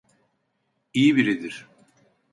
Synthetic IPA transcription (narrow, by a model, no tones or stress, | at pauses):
ijibiɾid̪iɾ̥